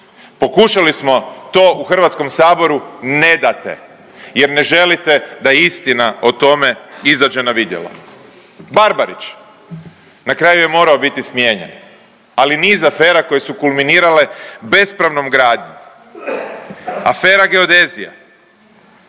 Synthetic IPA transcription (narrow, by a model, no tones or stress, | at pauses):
po̞kuʃalismo̞t̪o̞ːʔuxr̩ʋat̪sko̞msaːbo̞ɾune̞d̪at̪ḛ | je̞ɾne̞ʒe̞lit̪e̞d̪ajeist̪inaot̪o̞me̞izad͡ʒe̞naʋid̪je̞̰la̰ | baɾbaɾit͡ʃ | nakɾaːjuje̞mo̞ːɾao̞bit̪ismje̞ːɲḛn | aliniːzafe̞ːɾako̞jesukulˠminiːɾale̞be̞spɾaʋno̞mɡɾaːd̪ɲum | a̰fe̞ːɾaɡe̞od̪e̞zija̰